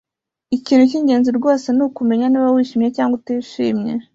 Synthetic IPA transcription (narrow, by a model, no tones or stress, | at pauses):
iciːnhuc̬iːɲɟe̞ːnziɾɡo̞ːse̞nukume̞ɲaniβawiːʃiːmɲecaːŋɡotiːʃḭːmɲe̞